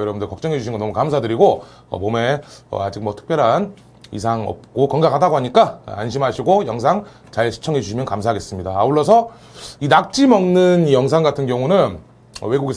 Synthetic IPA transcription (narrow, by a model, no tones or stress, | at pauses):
jʌɾʌbundɯɭkʌk̚t͡ɕ͈ʌŋɦe̞d͡ʑuɕʰiŋɡʌnʌmukamsʰadɯɾiɡo | ʌ̰mome̞ʌ̰ad͡ʑik̚mwʌtʰɯ̥kpjʌɾɦan | ḭsʰaŋʌ̰p̚k͈okʌŋɡakʰhʰadaɡoɦaɲik͈aanɕʰimɦaɕʰiɡojʌŋsʰaŋ | t͡ɕaɭɕʰi̥t͡ɕʰʌŋɦe̞d͡ʑuɕʰimjʌnkamsʰaɦaɡe̞s͈ɯmɲidaːuɭːʌsʰʌ | inak̚t͡ɕ͈imʌŋnɯnijʌŋs̬ʰaŋɡatʰɯnɡjʌŋunɯn | ʌ̰we̞ɡuɡe